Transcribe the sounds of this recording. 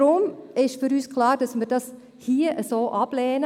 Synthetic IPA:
ɾʊmɪʃfyɾyːskʰlɑːɾd̥ɑsmiːɾd̥ɑs | hiːəʔəsoːʔɑb̥lɛːnə

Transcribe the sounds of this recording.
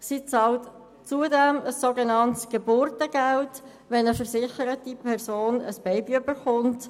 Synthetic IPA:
sit͡sɑlt | t͡suədɛməsːoɡenɑntsɡ̥əbʊɾtəɡ̥ælt | ʋɛnəfəɾsɪχəɾətipʰɛʁsoːnəsb̥ɛɪbiʏbəχʊnt

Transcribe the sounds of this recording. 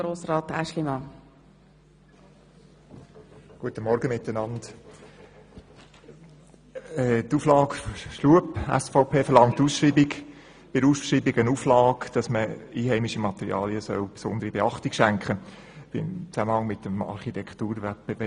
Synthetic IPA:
ɾoːsraːtæ̰ʃlimɑ | ɡ̥uətəmɔɾɡəmɪtənɑnd | ɛtuːflɑːkʃluəpæ̰sfɔʊpʰeːfəɾlɑŋtːuːsʃɾiːbik | bɪɾuːsʃɾiːbiɡənuːflɑːkd̥ɑsməiːɦɛɪmiʃimɑt̪ɛɾḭɑ̰ːliəsœ̰ʊpsʊnd̪əɾibeɑχtikʃæŋkχə | ɪ̰mt͡sæməhɑŋmɪtəmɑ̰ɾχitʰɛktuːɾʋɛt̚b̥eveː

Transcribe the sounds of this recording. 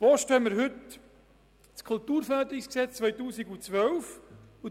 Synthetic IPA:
voʃtɛməɾɦʏt | skʰult̪uːɾfæːd̪ɾɪksksɛt͡st͡svœjtuːsiɡut͡sʋœlfu

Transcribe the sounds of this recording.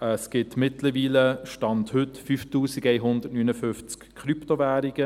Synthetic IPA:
ɛsɡ̥ɪtmɪtləʋiːləʃtɑnthʏtfyːftuːsiɡeɪɦʊndətnynəfʏft͡skʰɾyptovæːɾiɡ̥ə

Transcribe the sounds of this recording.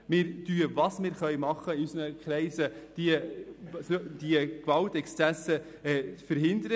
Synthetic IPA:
mɪːɾtyəvɑsmɪːɾχœɥmɑχːəɪysənəkʰɾɛɪsəd̪̥iəsd̥iəkvɑltɛkst͡sæsə | ɛfəɾɦɪnd̪əɾə

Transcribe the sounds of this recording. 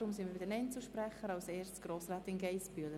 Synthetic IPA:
ɾʊmsɪnʋɪɪdənɛnt͡səʃpɾɛχəɾɑʊseːssɡ̥roːsraːtɪnɡɛɪspyələ

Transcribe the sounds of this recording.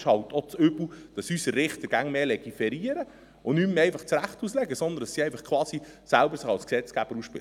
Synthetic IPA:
ʃhɑlt̪ʰot͡sʏbl̩d̥ɑsysəːɪχt̪əɾɡ̥æŋmeːlɛɡ̥ifɛɾiəɾə | ʊnymmɛɪfɑχt͡sɾæχtuslɛɡəsɔnd̪əndɑsiɛɪfɑχkʰʋɑːsisælbəɾsəχɑlsksɛt͡sɡ̥æb̥əɾuʃpɪ̰l

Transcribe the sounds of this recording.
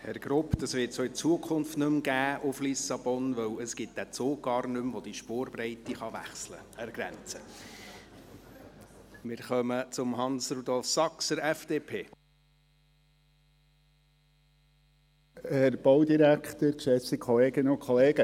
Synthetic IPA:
hɛɾɡ̥ɾʊpd̪ɑsvɪːtsoɪt͡suəkʰʊnftnɵmɡ̥æːʔʊflisɑb̥ɔnvœwəsɡ̥ɪt̚d̥̪æt͡soːɡ̥ɑːrnʉmvod̥̪iʃpoːɾbɾɛɪtiχɑʋæ̰χslə̰ɛɾɡ̥ɾɛ̰nt͡sə | mɪɾχœmət͡sʊmɦɑnsɾud̪ɔlˠfsɑksəɾɛfd̥eːpʰeː | hɛɾb̥ɔwd̪iɾækχt̪əɾkʃɛsikʰχɔleːɡɪnəʊkχɔleːɡə

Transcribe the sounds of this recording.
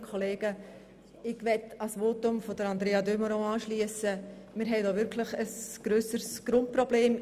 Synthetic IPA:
kʰɔleːɡ̥ə | ɪɡ̥ʋɛtɑsʋoːtʊmfodəɾɑnd̪ɾeːɑdøməɾõːɑːʃliəsə | mɪːɾɦɛɪdoːʋɪɾkʰlɪχəsɡ̥ɾøːsəɾsɡ̥ɾʊnt̚pɾɔbleːm

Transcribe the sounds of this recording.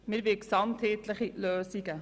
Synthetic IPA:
mɪɾvɪksɑmtheːtləχiløːsiɡə

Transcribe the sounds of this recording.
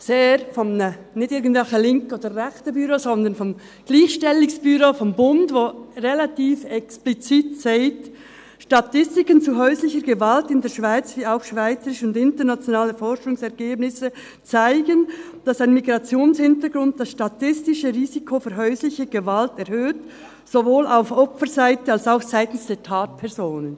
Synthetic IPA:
seːɾfɔmnə | nɪçtɪɐɡən̩tv̥ɛlxəlɪŋkəoːd̥əʁɛxtəbyːɾozɔndənfɔm | ɡ̥liːxʃtɛlɪŋsb̥yɾofɔmbʊndvoːʁelatiːfɛksplit͡siːtseɪt | ʃtɑtɪstɪkənt͡suɦœʏslɪçəɾɡəvaltɪndeːɐʃv̥aɪt͡sviːaʊxʃv̥aɪt͡səɾɪʃəʊndɪntənat͡sjonaːləfɔɾʃʊŋsɛɾɡ̥eːbnɪsə | t͡saɪɡən | d̥asaɪnmiɡʁɑt͡sjoːnshɪntəɡɾʊnt̚d̥asʃtatɪstɪʃəʁiːzikʰofyɾɦœʏslɪçəɡ̥əvaltɛɾhøːt | z̥ovoːlaʊfɔpfəɾzaɪtəɑlsaʊxsaɪtn̩sd̥eːtʰaːt̚pʰɛʁzoːnən

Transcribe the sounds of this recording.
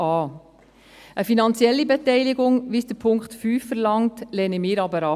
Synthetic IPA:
ɑː | ʔəfinɑnt͡sjɛlːibɛtɛɪlɪɡʊŋʋisd̥əɾpʰʊŋktfyːfːəɾlɑŋtlɛnəmɪːɾɑbəɾɑ

